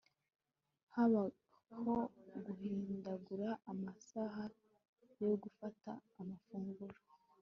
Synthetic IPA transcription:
haβa | hoɡuhiːndaɡuɾaːmasaɦa | jo̞ɡufata̰ːmafuːŋɡuɾo̥

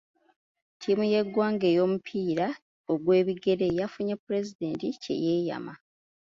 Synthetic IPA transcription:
tʰiːmuje̞ɡːwaːŋɡe̞ːjo̞ːmupʰiːɾa | oɡwe̞ːβiɡe̞ɾe̞jafuɲepːuɾe̞zide̞ːntice̞̰jeːja̰ma

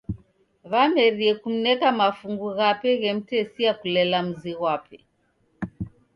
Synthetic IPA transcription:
βamɛɾiɛkum̩nɛkamafuŋɡuɣapɛɣɛm̩tɛsiakulɛlam̩ziɣwapɛ

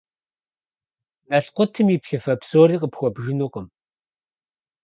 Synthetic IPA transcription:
nɐɬqʷʊtʰɨmiːpɬɨfɐpsoːriːqəpxʷɔbʒɪnuːqəm

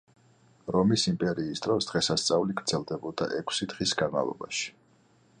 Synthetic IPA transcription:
ɾɔmisimpʼɛɾiːsd̪ɾɔsd̪̥ʁɛsast̪sʼauliɡɾdz̥ɛlˠd̪ɛbɔd̪a̰ʔɛkʰsid̪ʁisɡanma̰lˠɔ̰ba̰ʃi̥

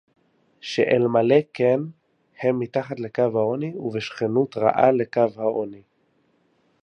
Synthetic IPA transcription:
ʃḛʔelmaleken | hemːitaχat̪le̞kavhaoniuveʃχenutʁa̰ʔale̞kavhaoni

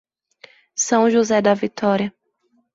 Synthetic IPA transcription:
sɐ̃w̃ʒuzɛd̪ɐvit̪ʰɔɾiɐ

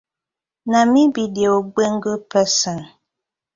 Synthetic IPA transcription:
namibideoɡ͡beŋ̩ɡəpɛsɔn

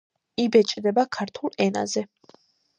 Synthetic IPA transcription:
ibɛt͡ʃʼd̪ɛbakʰaɾt̪ʰulˠɛna̰zɛ

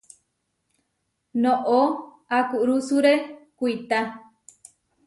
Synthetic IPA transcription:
nõʔo | akuʔɾusuɾekʷuit̪a

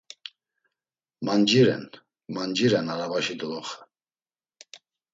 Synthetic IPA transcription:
mand͡ʒiɾɛ̰n | mand͡ʒiɾɛnaɾavaʃid̪ɔlɔχə̥

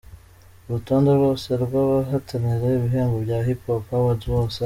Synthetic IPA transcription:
uɾutoːndeɾwo̞ːseɾɡwaβaɦatʰaniɾeiβiɦeːŋɡobjaːɦipopaβazβoːse

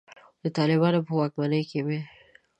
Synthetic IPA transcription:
d̪̥ət̪ɑlɪbɑnopəwɑkmanəjkewe

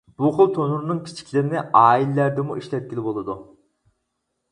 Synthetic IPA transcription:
b̥uχʊlˠt̪ʰonuɾnɨŋkʲʰi̥t͡ʃʰi̥kʲlɪɾɪnɪʔɑːilɪːæɾd̪ɪmuʔiʃlɛt̪̚kʲilɪbolˠɨd̪u

